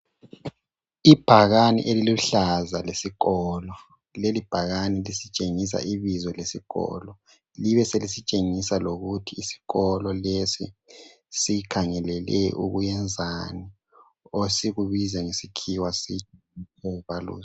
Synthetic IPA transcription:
ib̥ʱaɣanḭʔeliluɬazalesiɣɔːlɔ | lelib̥ʱaɣanilisit͡ʃʼeŋis̬a̰ʔiβizɔlesiɣɔ̰ːlɔ | liβɛselisit͡ʃʼeŋisaloɣutʰiːsi̥ɣɔlɔlesḭ | sikʰaŋɛlɛlɛ̰ʔṵɣujɛnd͡zʱani | osiɣuβizɛŋesikʰiwasit͡ʃʼ | sɛβalṵːs

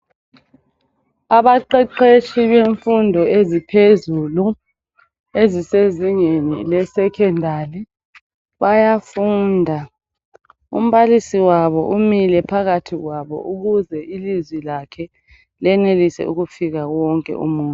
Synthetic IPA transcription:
aβaǃɛǃet͡ʃʰʼiβeɱfundʱɔezipʰezulu | eziseziŋenḭlɛsɛkʰɛndʱali | βajafuːndʱa | ṵm̩βalisiwaβɔʔumilɛpʰaɣatʰiɣwaβɔ̰ʔuɣuzɛilizwilakʰɛ | lɛnelisɛ̰uɣufiɣaɣwɔŋkʼɛ̰ṵmuːntʼ

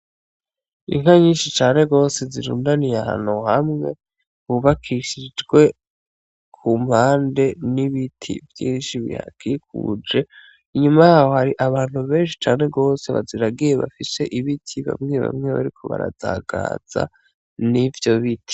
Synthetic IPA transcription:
ḭŋaɲiːnʃit͡ʃaːne̞ɡo̞ːse̞ziɾuːndanijaha̰nuhamŋe̞ | βuβakʰiʃid͡ʒɡwe̞ | kʰum̥haːnde̞niβitʰḭvjḭːnʃiβḭha̰kʰik̚ʰṵd͡ʒe̞ | iɲumajaːho̞haɾiʔaβaːn̥huβe̞ːnʃi̥t͡ʃaːne̞ɡo̞ːse̞βa̰ziɾaɡije̞βafise̞ʔiβitʰiβa̰mŋeβa̰mŋe̞βa̰ɾikʰo̞βa̰ɾazaːɡa̰ːz̥a̰ | nivjo̞βitʰi̥

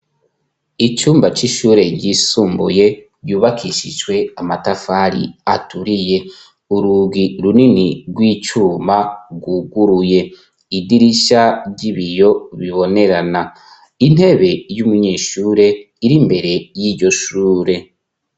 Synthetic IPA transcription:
it͡ʃuːmbat͡ʃiʃuːɾe̞ɟisuːmbuje̞ | ɟuːβakiʃiʒwe̞amatafaɾḭatuɾije̞ | uɾuɡiɾuniniɡwiːt͡ʃuːmaɡuɡuɾuje̞ | idiɾiʃaɟiβijo̞βiβo̞ne̞ɾana | in̥he̞βe̞jumuɲeːʃuːɾe̞ | iɾimbe̞ɾe̞jiːɾɟo̞ʃuːɾe̞

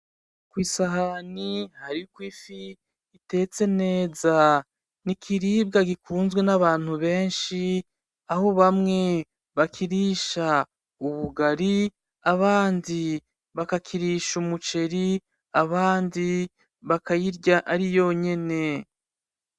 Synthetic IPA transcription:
kwiːsaɦanihaɾikwiːfiː | te̞t͡se̞ne̞ːza | nikʰiɾiːb̚ɡaɡikʰuːnzɡwe̞naβaːn̥huβe̞ːnʃi | aho̞βamŋe̞ | βakʰiɾiʃa | uβuɡaɾi | aβaːndi | βakakʰiɾiʃumut͡ʃe̞ɾi | aβaːndi | βakajiɾɟaʔaɾijo̞ɲe̞ne̞

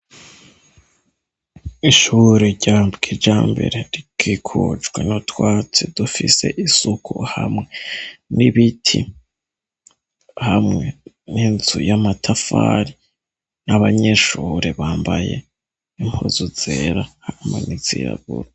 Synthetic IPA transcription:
iʃuɾeɟabɡid͡ʒaːmbe̞̰ɾeɾikʰikʰud͡ʒɡwḛnotwaːt͡sidufise̞̰ʔisukʰṵhamŋe̞niβitʰḭ | hamŋe̞ | ninzujamatʰafaɾi | naβaɲe̞ʃuːɾeβaːmbaje̞̰ | imozuzeɾahamenizḭɾa̰ɡṵɾo

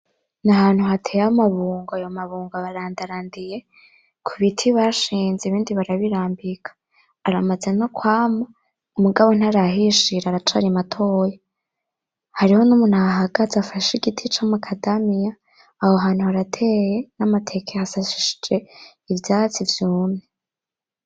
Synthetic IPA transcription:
naɦaːn̥huhatʰejaomaβuːŋɡajo̞maβuːŋɡaβaɾaːndaɾaːndije̞ | kʰuβitʰiβaʃiːnzeiβiːndiβaɾaβiɾaːmbikʰḁː | ɾamaze̞nokwaːmo | umuɡaβo̞n̥aɾaɦiʃiɾaɾat͡ʃaɾimatʰo̞ːja | haɾiho̞numuːn̥haɦaɡazafaʃiɡitʰit͡ʃamukʰadamijaː | ho̞ɦaːn̥huhaɾatʰe̞je̞namatʰe̞kʰehasaʃi̥ʃi̥d͡ʒe̞ | ivjaːt͡sivjuːmne

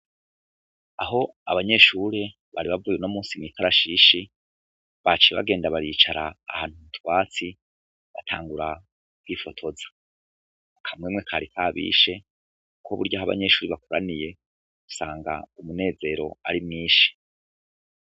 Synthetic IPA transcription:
aɦo̞aβaɲe̞ʃuːɾe | βaɾiβavuːjeno̞muːsimŋiːkʰaɾaʃiʃi | βat͡ʃiβa̰ɡe̞ːndaβaɾiːt͡ʃaɾaːhaːnhumutwaːt͡si | βatʰaːŋɡuɾa | kwiːfo̞tʰo̞zḁ | akʰamŋemŋekʰaːɾikʰaβḭːʃe̞ | ukʰoβuɾɟaɦaβa̰ɲe̞ʃuːɾiβakoɾanije̞ | ɡ̥u̥saːŋɡa̰umune̞ːze̞ːɾo̞a̰ɾimŋiːʃi̥

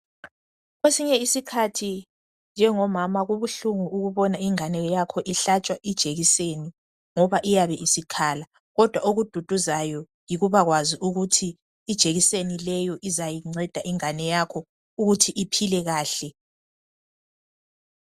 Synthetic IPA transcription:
ɣwesiɲɛisikʰatʰi | nd͡ʒʱɛŋɔmamaɣuβuɬuŋuːɣuβɔnaiŋanɛjakʰɔʔiɬat͡ʃʼwaʔid̥ʒ̥ʱeɣiseni | ŋɔβaʔijaβɛʔisikʰala | ɣɔd̥ʱwaoɣud̥ʱud̥ʱuzajɔ | jiɣuβaɣwaziʔuɣutʰiː | d̥ʒ̥ʱeɣisenilɛjɔʔizajiŋ͡ǀɛd̥ʱaʔiŋanɛjakʰɔ | uɣutʰiʔipʰilɛɣaːɬɛ

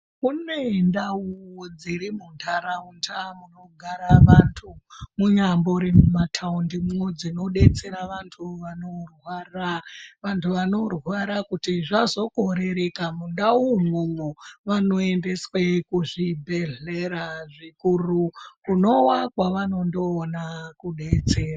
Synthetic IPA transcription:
kunendauwod͡ziɾimuntʰaɾauntʰamuno̞ɡʱaɾaʋantʰumuɲambo̞ɾemumatʰaundimuŋwed͡zino̞ɗe̞t͡se̞ɾaʋantʰuʋanorwaraʋantʰuʋano̞rwaɾakutiʐazo̞koɾe̞ɾe̞kamundaumumuʋano̞e̞nde̞swekuʐibʱe̞ɮeɾaʐikurukuno̞wakwaʋano̞ndo̞ːnakuɗe̞t͡se̞ːra

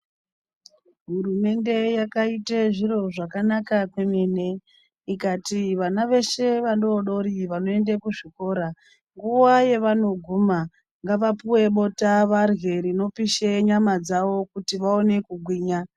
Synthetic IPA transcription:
ɦurume̞nde̞jakaiteʐiɾo̞ʐakanakakwe̞me̞ne̞ | ikatiʋanaʋe̞ʃe̞ʋandoɗo̞ɾiʋano̞e̞ndekuʐiko̞ːɾa | ŋɡuwaje̞ʋano̞ɡʱuma | ŋɡaʋapuwe̞ɓo̞taʋarɣe̞ɾino̞piʃeɲamad͡zaʋo̞kutiʋao̞ne̞kuɡʱwiːɲa

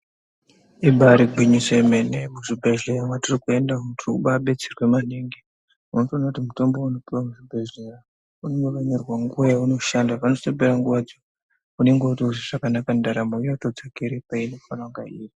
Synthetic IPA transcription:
iɓaɾiɡʱwiɲisemenemuʐibʱeɮeamwatirikue̞ndautrukuɓaɓe̞t͡serwe̞maneŋɡe | muno̞toːnautimutombo̞uno̞piwamuʐibʱeɮera | unonokeɲerwaŋɡuajauno̞ʃandapano̞sebeɾaŋɡuʋad͡zo | uneŋɡeutiuʐiʐakanakandaɾamoijatod͡zakiɾepaino̞fanaŋɡaiːri

